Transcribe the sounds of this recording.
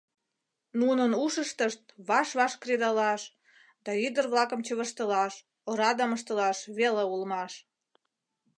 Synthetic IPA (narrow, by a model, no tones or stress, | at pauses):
nunənuʃəʃt̪əʃt̪̚βɑʃβɑʃkred̪ɑlɑʃ | d̪ɑyd̪ərβlɑkəmt͡ɕəβəʃt̪əlɑʃ | oɾɑd̪əməʃt̪əlɑʃβeleulmɑʃ